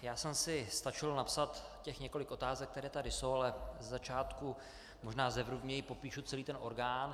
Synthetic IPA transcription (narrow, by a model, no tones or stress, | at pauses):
jaːsɛmsɪst̪at͡ʃɪlnapsat̪cɛxɲɛko̞lɪko̞t̪aːzɛk̚t̪ɛɾɛːt̪adɪso̞walɛzɛzat͡ʃaːt̪ku | mo̞ʒnaːzɛvɾuvmɲɛjɪpo̞piːʃut͡sɛliːt̪ɛnʔo̞ɾɡaːn